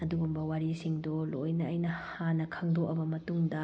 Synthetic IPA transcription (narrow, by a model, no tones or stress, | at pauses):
ɐduɡumbɐwaɾisiŋdolojnɐɐjnɐhanɐkʰɐŋdʱokɐbɐmɐtuŋdɐ